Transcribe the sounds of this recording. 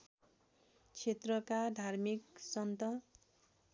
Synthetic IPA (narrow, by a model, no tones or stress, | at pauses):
t͡sʰet̪rʌkad̪ʱarmiksʌnt̪ʌ